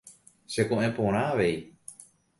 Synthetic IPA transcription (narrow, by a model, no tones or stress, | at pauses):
sekõʔẽpõɾ̃ãʋej